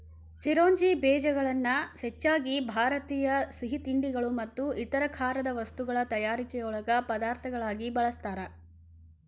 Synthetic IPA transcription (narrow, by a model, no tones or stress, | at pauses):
t͡ʃiɾoːɲd͡ʒibɛːd͡ʒɐɡɐɭɐnːɐhet͡ʃːaːɡibʱaːɾɐt̪iːjɐsiɦit̪iɳɖiɡɐɭumɐt̪ːuʔit̪ɐɾɐkʰaːɾɐd̪ɐʋɐst̪uɡɐɭɐt̪ɐjaːɾikɛjɐuɭɐɡɐpɐd̪aːɾt̪ʰɐɡɐɭaːɡibɐɭɐst̪aːɾɐ